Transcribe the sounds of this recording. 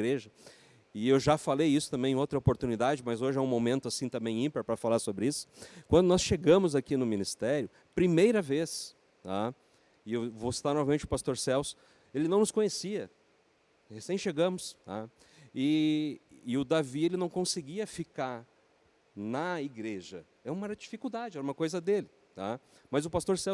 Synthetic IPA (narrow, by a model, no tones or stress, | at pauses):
ɡɾeʒɐ | ɪewʒafalejisʊ̥t̪ɐ̃mbẽj̃owt̪ɾɐopoɾt̪unid̪ad͡ʒɪmɐzoʒɪɛũmomẽnt̪ʊasĩt̪ɐ̃mbẽj̃ĩpeɾpɾɐfalaɾsobɾɪisʊ̥kwɐ̃nd̪ʊnɔsʃeɡɐ̃mʊzakinʊmĩnist̪ɛɾjʊ | pɾimejɾɐves | a | ɪewvosi̥t̪aɾnɔvɐmẽnt͡ʃɪʊpast̪oɾsɛws | elɪnɐ̃w̃nʊskõɲesiɐ | hesẽj̃ʃeɡɐ̃mʊsa̰ | ɪː | ʊd̪avielɪnɐ̃w̃kõsɪɡiɐfikaɾ | nɐiɡɾeʒɐ̰ | ɛũmɐɛɾd͡ʒifikuwd̪ad͡ʒɪɛɾɐumɐkojzɐd̪elɪ | t̪amɐzʊpast̪oɾsɛ